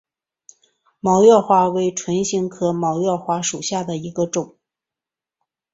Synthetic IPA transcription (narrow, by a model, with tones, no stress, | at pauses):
mɑ˧˥ʊjɑ˥˧ʊxwa˥we˧˥ɪʈ͡ʂʰwə˧˥nɕi˧˥ŋkʰɤ˥mɑ˧˥ʊjɑ˥˧ʊxwa˥ʂu˨˩ɕja˥˩d̪ə˩i˧˥ɡə˧ʈ͡ʂʊ˨˩˦ŋ